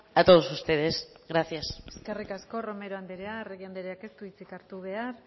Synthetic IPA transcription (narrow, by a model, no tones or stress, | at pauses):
at̪oðosust̪e̞ðesɣɾaθjase̥skerikasko̞ro̞me̞ɾoand̪eɾeareɣiand̪eɾeake̞st̪uβit͡sikaɾt̪uβ̞e̞aɾ